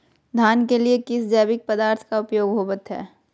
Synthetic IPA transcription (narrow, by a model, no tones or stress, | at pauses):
d̪ʱaːnkeliekɪsd͡ʒɛːbɪk̚pɐd̪aːɾt̪ʰkaʊpjoːɡɦoːbət̪ɦɛ̰ː